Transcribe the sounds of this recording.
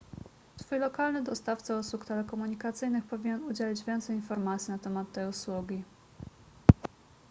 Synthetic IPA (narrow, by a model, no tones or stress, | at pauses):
sfujlɔkalnɘd̪ɔst̪aft̪sɛuswukt̪ɛlɛkɔmuɲikat̪sɘjnɘxpɔvʲiɲɛnud͡ʑelʲid͡ʑvʲjɛnt̪sɛjinfɔɾmat̪sʲinat̪ɛmat̪ːɛjuswuɡʲi